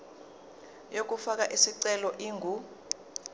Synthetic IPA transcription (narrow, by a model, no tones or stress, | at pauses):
jok̬ʼufak̬aʔisiǀɛlɔʔiːŋʱu